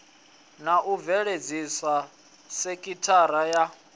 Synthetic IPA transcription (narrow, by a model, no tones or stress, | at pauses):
naʔuvɛɺed͡zisa | sekʼitʰaɾaja